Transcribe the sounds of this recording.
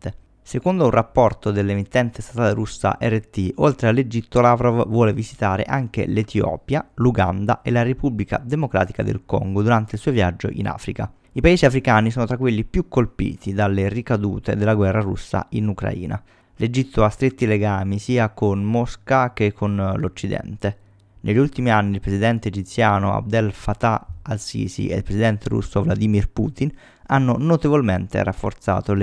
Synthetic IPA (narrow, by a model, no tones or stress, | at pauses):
t̪e | sekond̪ounrapːɔrt̪od̪elːemit̪ːɛnt̪est̪at̪aːleɾusːa̰ʔɛret̪ːiʔolt̪ɾealːed͡ʒit̪ːolavɾɔvvwɔːlevizit̪aːɾḛʔaŋk̟ḛlet̪jɔ̰ːpjaluɡa̰nd̪a̰ʔelaɾepublika̰d̪emokɾa̰ːt̪i̥ka̰d̪ḛlkɔ̰ŋɡod̪uɾant̪eilsuːovjad͡ʒːo̰ʔḭna̰ːfɾika | ipaeːziafɾikaːnisɔːnot̪ɾakːwelːipjukʰːolpḭːt̪id̪alːerikad̪uːt̪ḛd̪elːaɡwɛrːarṵsːa̰inukɾa̰ḭːna̰ | led͡ʒit̪ːoast̪ɾet̪ːileɡaːmisiːakonmɔskak̟ekʰːonlot͡ʃːid̪ɛ̰nt̪e | neʎːiult̪imianːilpɾesid̪ɛnt̪eːd͡ʒit̪sːjaːnoa̰b̚d̪ɛlfat̪aalsḭːsḭḛlpɾeszid̪ɛnt̪eɾṵsːovlad̪iːmirpṵːt̪in | anːonot̪evolment̪ḛrafːo̰rt̪sa̰ːt̪ol